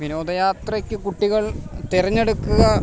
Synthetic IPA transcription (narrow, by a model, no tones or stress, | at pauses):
ʋino̞ːd̪ɐjaːt̪rɐkʲːɨkuʈːiɣɐɭt̪irɐɲːe̞ɽukːuɣɐ